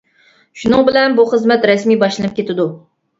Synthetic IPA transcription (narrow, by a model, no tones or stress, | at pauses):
ʃunɨŋbɪlɛnbuχəzmɛt̪ɾɛsmijbɑʃlˠɨnɨp̚kʲʰet̪ɪd̪u